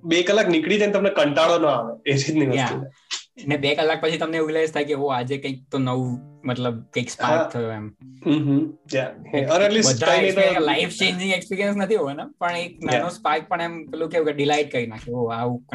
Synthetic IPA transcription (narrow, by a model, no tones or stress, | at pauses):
bekəlːaknikɽid͡ʒãnet̪əmnekəɳʈaɭonoaʋeeɾit̪niʋəjat̪i | nebekəlːak̚pət͡ʃʰit̪əmneuɡlest̪ʰajkeoad͡ʒekə̃ik̚t̪onəʋumət̪ləbkəikspat̪ʰəjoɛmɦɦjaẽənɛʈlisbəd̪ʱaat̪alaifʰt͡ʃẽɲd͡ʒĩŋɡekspiɾijə̃nsnət̪ʰiɦoʋenapəɳek̚naanospak̚pəɳɛmkəlũkeũkeɖilajʈ̚kəɾinakʰeoaũ